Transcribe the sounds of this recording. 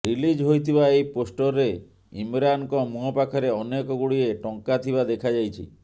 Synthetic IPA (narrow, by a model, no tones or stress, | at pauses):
ɾilid͡ʒɦojt̪ʰibaejposʈɔɾːe | imɾankɔmuɦɔpakʰɔɾeɔnekɔɡuɽieʈɔŋkat̪ʰibad̪ekʰad͡ʒajt͡ʃʰḭ